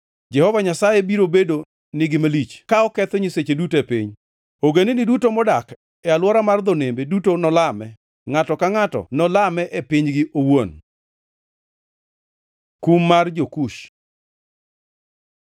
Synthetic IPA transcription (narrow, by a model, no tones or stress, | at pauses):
d͡ʒɛhɔvaɲasajebiɾobedo | nɪɡɪmalit͡ʃkaɔkɛt̪ɔɲiset͡ʃedutepḭɲ | oɡenenidutomɔdak | ɛalwɔɾamard̪ɔnembedutonɔlamɛ | ŋatɔkaŋatɔ̰nɔlamɛʔepiɲɡɪʔowon | kumːard͡ʒokuʃ